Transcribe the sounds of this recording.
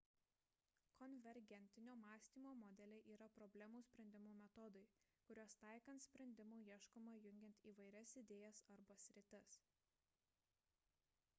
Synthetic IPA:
kʰɔnʲʋʲɛɾʲɡʲɛnʲt̪ʲɪnʲoːmɑːsʲt̪ʲiːmoːmɔd̪ʲɛlʲɛɪʔiːɾɐpɾɔbʲlʲɛmuːsʲpʲɾʲɛnʲd̪ʲɪmuːmʲɛt̪ɔd̪ɐɪ | kʊɾʲoːst̪ɑˑɪkɐnt̪sʲpʲɾʲɛnʲd̪ʲɪmuːiɛʃkomɐjʊŋʲɡʲɛnʲt̪ʲiːʋɐɪɾʲɛsɪd̪ʲeːjɛsɐɾbɐsʲɾʲɪt̪ʲɛs

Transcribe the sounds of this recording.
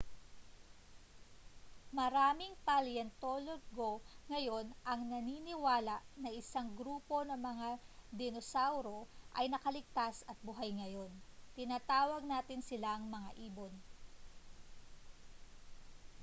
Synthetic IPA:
mɐɾaːmɪŋpɐljɛnt̪oloɡoŋɐjo̞nʔɐŋnɐniːnɪwaːlɐʔnɐʔɪsaŋɡɾuːpo̞nɐŋmɐŋad̪ɪnosawɾo̞ʔɐjnɐkɐlɪɡ̚t̪asɐt̪̚bʊɦajŋɐjo̞nt̪ɪnaːt̪aːwɐɡ̚naːt̪ɪnsɪlaɐŋmɐŋaʔiːbo̞n

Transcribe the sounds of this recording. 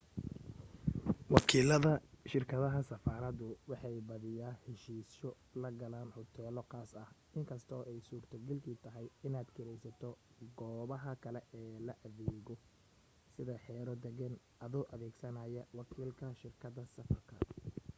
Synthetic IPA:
wɑkʰiːlɐðɐʃɪrkʰɐðɐɦɐsɐfaːɾɐðʊwɑħɑjbɐðɪjaːhɛʃiːsɔ | lɐɡɐlaːnħʊt̪ʰɛːlɔqɑːsɐh | ɪŋkʰɐst̪ʰɔːʔɛjsuːrt̪ʰɐɡɐlkʰiːt̪ʰɐɦɛjɪnaːd̪kʰɪɾɛjsɐt̪ʰɔɡɔːβɐɦɐkʰɐlɛʔɛːlɐʔɐðɛːɣɔ | sɪðɐħɛːɾɔd̪ɛɡɐn | ʔɐðʊʔɐðɛːɡsɐnaːjɐwɑkʰiːlkʰɐʃɪrkʰɐd̪ɐsɐfɐrkʰɐ

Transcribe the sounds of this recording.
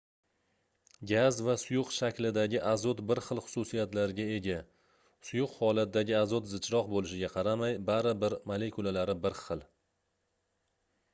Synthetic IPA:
ɡʲazvasʊjʊqʃakʲlɪd̪aɡʲɪʔazɒt̪bɪɾχɨlˠχʊ̥sʊsijat̪laɾɪɡʲae̞ɡʲa | sʊjʊqhɒlat̪ɪd̪aɡʲɪazɒt̪zɪt͡ʃʰɾɒqbolɪʃɪɡʲaqʰɑɾamajbaɾɪbɪɾmale̞kʰulalaɾɪbɪɾχɨlˠ

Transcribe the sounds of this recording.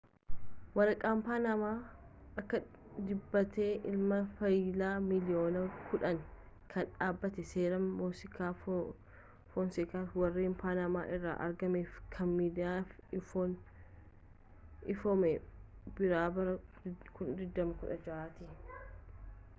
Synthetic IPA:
wɐɾɐkʼːaːmpaːnɐmaː | ʔɐkːɐ | d̪ɪbːɐt̪e̞ːʔɪlmɐfɐjlaːmɪlɪjoːnɐkʰʊᶑɐŋ | kʰɐnᶑaːbːɐt̪ɛseːɾɐmːoːsɪkaː | fɔnsɪkaːfwɐrːiːmpaːnama̰ːʔɪrːa̰ːʔɐ̰ɾɡɐmeːfkʰɐnmiːd̪ɪjaːfɪfon | ɪfomɛbɪɾaːbɐɾɐkʊnd̪ɪd̪ːɐmɐkʊᶑɐd͡ʒɐaːt̪i

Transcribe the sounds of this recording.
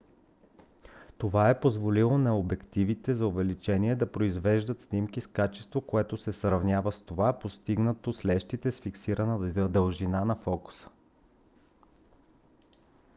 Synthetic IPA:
t̪ovaɛpozvolilˠonɐobɛkt̪ivit̪ɛzɐʊvɛlit͡ʃɛniɛd̪ɐpɾoizvɛʒd̪ət̪snimkiskat͡ʃɛ̥st̪vokoɛt̪ʊsɛsɾɐvnʲavəst̪ovapost̪iɡnət̪oslɛʃt̪it̪ɛsfiksiɾənəd̪əlˠʒinanɐfɔku̥sə̥

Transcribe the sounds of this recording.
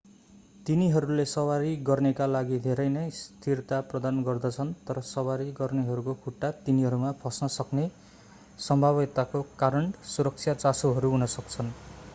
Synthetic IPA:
t̪iniɦʌɾulesʌwaɾiɡʌrnekalaɡid̪ʱeɾʌjnʌjst̪ʰirt̪aprʌd̪anɡʌrd̪ʌt͡sʰʌnt̪ʌɾʌsʌwaɾiɡʌrneɦʌɾukokʰuʈːat̪iniɦʌɾumapʰʌsnʌsʌkne | sʌmbʱaβʌt̪akokaɾʌɳsuɾʌk̚t͡sʰjat͡sasoɦʌɾuɦunʌsʌk̚t͡sʰʌn

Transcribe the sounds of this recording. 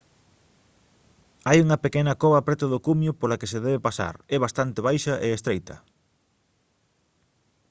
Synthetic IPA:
ajuŋɐpekɛnɐkoβɐpɾɛt̪ʊðʊkumjʊpolɐkeseðɛβepasa̰ɾɛβast̪ant̪eβ̞ajʃɐʔeːst̪ɾejt̪ɐ̰

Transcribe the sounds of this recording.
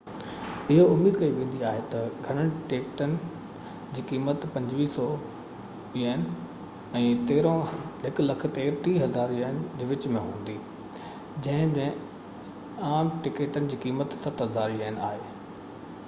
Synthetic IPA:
ɪɦoʊmiːd̪kɐiʋẽːn̆d̪iaːɦet̪ɐɡʱɐɽ̃əɽ̃ɪʈeːkʈənɪ̆ | d͡ʑiːkiːmət̪pɐ̃ɲd͡ʑʋiːsɔ | iaːn | ɛ̃ːt̪eːɾõɦɪklɐk̆ʰt̪eːɾʈ̪iːɦɐzaːɾiaɪnd͡ʑeːʋɪt͡ɕmẽɦũːn̆d̪iː | d͡ʑɐ̃ɦɪ̃mẽ | aːmʈɪkeːʈənɪ̆d͡ʑiːkiːmət̪sɐt̪ɦɐzaːɾiaːɪnɪaːɦeː

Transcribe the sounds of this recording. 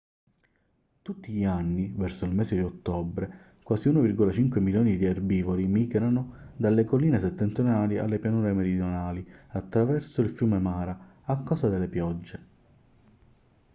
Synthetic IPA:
t̪ut̪ːiʎianːivɛrsoilmɛːsed̪iot̪ːɔbɾe | kwaːsiuːnovirɡolat͡ʃiŋkwemiljɔːnid̪iarbiːvolimiːɡɾanʊd̪alːekoliːneset̪ːɛnt̪ɾonaːlia̰lːepjanuːɾemeɾid̪jonaːliat̪ːɾavɛrsoilfjuːmemaːɾa | akːaːsad̪elːepjɔd͡ʒːe

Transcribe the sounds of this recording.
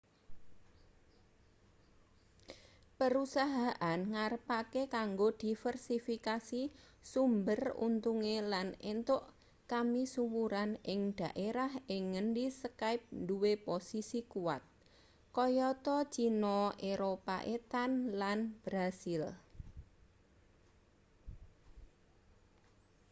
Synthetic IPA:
pəɾusaɦaʔanŋarpakekaŋɡod̪̥i̤fərsifikasi | sumbərṵnt̪uŋelanent̪ʊʔ | kamisuwuɾanɪŋd̪̥ä̤ʔeɾahɪŋːəndisəkaɪp̚nduweposisikuwa̰t̪̚ | kɔjɔt̪ɔt͡ʃinɔʔeɾopaʔet̪anlanb̥ɾasɪl

